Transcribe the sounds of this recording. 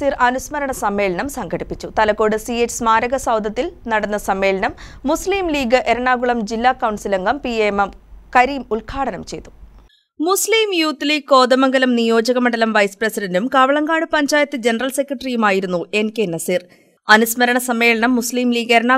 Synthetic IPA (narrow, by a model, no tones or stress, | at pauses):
iːrɐnusmɐɾɐɳɐsɐmːeːlɐnɐmsɐŋɡɐɽipːit͡ɕːut̪ɐlɐkːo̞ːɽɨsiet͡ɕːsmaːɾɐɣɐsɐwd̪ʱɐt̪ːilnɐɽɐnːɐsɐmːe̞ːlɐnɐmːusliːmliːɡɨʔe̞ɾɐɳaːɣuɭɐmd͡ʑilːaːkɐwɳsilɐŋɡɐmpiemɐmkɐɾiːmulkʰaːɽɐnɐmt͡ɕe̞jt̪ːu̥ | musliːmjuːt̪ːliːko̞ːd̪ɐmɐŋɡɐlɐmnijo̞ːd͡ʑɐɣɐmɐɳɖɐlɐmʋɐjsɨ̥prɐsidɐndumkɐʋɐɭɐŋɡaːɽɨpɐɲd͡ʑaːjɐt̪ːɨd͡ʑe̞nɐrɐlse̞kːrɐʈrijumaːjiɾunːue̞nkenːɐsir | ɐnusmɐɾɐɳɐsɐmːe̞ːlɐɳɐmːusliːmliːɡe̞ɾɐɳaː